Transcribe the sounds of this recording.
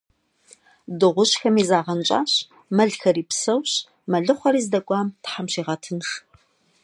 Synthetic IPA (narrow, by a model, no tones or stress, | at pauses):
dɨʁʷʊɕxɐmiːzaːʁɐnt͡ʃʼa̰ːɕ | mɐɮxɐɾiːpsɐwɕ | mɐɮɨχʷɔɾiːzdɐkʷʼɑːmtħamɕiːʁɐtʰɨnʂ